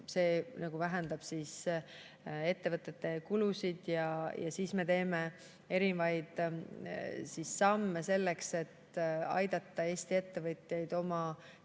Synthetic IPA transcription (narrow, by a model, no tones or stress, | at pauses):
se̞ːnɑɡ̥uvæɦe̞nd̪̥ɑb̥siːs | e̞t̪ːe̞vɤt̪ːˑe̞t̪ːe̞kulusid̪̥jɑjɑ̰siːsme̞t̪e̞ːme̞ | e̞ɾinvɑjd̪̥ | sisːɑmːese̞lːekse̞t̪ɑ̰jd̪̥ɑt̪ˑːɑe̞ːst̪ie̞t̪ːe̞vɤt̪ˑjejd̪̥o̞mɑ